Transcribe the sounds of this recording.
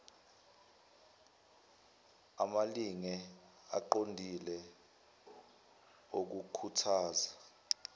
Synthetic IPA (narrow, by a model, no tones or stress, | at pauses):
a̰maliŋɛ | a̰ǃondʱilɛ | ok̬ukʰutʰaːza